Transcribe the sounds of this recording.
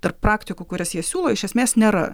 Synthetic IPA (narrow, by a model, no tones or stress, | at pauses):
t̪ɐrppɾɑːkt̪ʲɪkukʊɾʲɛsjiɛsʲuːlˠoːɪʃʲɛsʲmʲeːsnʲeːɾɐ̰